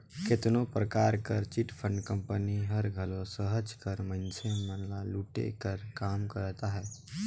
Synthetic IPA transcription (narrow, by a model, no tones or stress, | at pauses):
kɪt̪nopɾəkaːɾkəɾt͡ʃɪʈpʰə̃ɳɖkə̃mpəniɦəɾɡʱəlõsəɦəd͡ʒkəɾmə̃nsemənlaluːʈḛkəɾkaːmkəɾt̪aɦɛː